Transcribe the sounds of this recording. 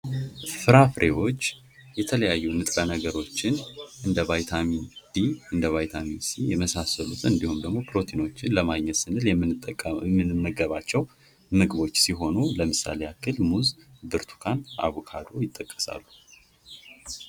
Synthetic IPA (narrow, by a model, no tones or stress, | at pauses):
fɨɾafɾe̞wo̞t͡ʃː | jɛt̪ʰələjajːunɨt̪ʼɾənəɡəɾo̞t͡ʃːɪnʔɨnd̪əβajt̪ʰamind̪̥iɨnd̪əβajt̪ʰaminsijɛməsasəlut̪ʰɨnd̪ihumd̪əɡmo̞pʰɾo̞t̪ʰino̞t͡ʃːɪnləmaɡɲːɛt̪sɨnɨljɛmːɨmɨɨmːəɡəβat͡ʃːɛw | mɨɡɨβo̞t͡ʃːsiɦo̞nuləmɨsa̰lejakʰːɨlmuzbɨɾt̪ʰu̥kʰanʔa̰βukʰad̪o̞jɪt̪ʼːəkʼːə̥sa̰lːu